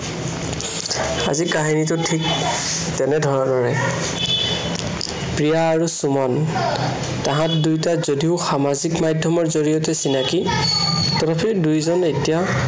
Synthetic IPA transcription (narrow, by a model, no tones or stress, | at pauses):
a̰zikaɦinitʊtʰik̚ | tɛnɛdʱɔɹɔdɔɹɛ | pɹijaːɹusumɔn | tãɦãtdujtazodiʊxamazikmajdʱɔmɔɹzoɹijɔtɛsinaki | tɔtapʰikdujzɔnetija